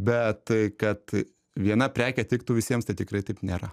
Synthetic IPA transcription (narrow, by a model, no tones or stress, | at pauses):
bʲɛt̪kɐt̪ | ʋʲiɛnɐpʲɾʲæːkʲɛt̪ʲʋʲɪk̚t̪uːʋʲɪsʲiɛmst̪ɐɪt̪ʲɪkrɐɪt̪ɐɪpnʲeːɾɐ